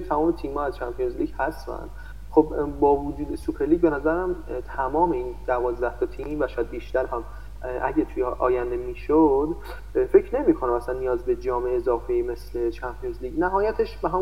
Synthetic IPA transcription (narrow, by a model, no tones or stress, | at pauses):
t̪ʰæmɒːme̞t̪ʰiːmhɒːæz̥t͡ʃʰæmpʰijonzliːɟhæsfæ̰nd̪ | xobbɒːvod͡ʒuːd̪esupʰeɾliːɟbenæzæɾææmt̪ʰæmɒːmeiːnd̪̥ævɒːzd̪æht̪ʰɒt̪ʰimvæʃɔjæd̪̚biːʃt̪æɾɦæm | ʔæ̰ɟæt̪ʰujeʔɒ̰ːjænd̪emiːʃod̪ | fe̞cʰne̞miːkʰo̞næmæsænːijɒːzbe̞d͡ʒɒːmeeːzɒːfeme̞sle̞t͡ʃʰæmpʰionzliːɟnæɦɒːjæt̪ʰeʃbeɦæm